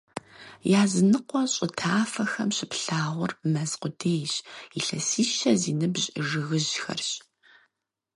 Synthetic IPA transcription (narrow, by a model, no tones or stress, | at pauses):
jaːzɨnɨqʷɔɕʼɪtʰaːfɐxɐmɕɪpɬaːʁʷʊrmɐzqʷʊdʰeːjɕiɬɐsiːʃɐziːnɨbʑʼʒɨɣɨʑxɐ̰rɕ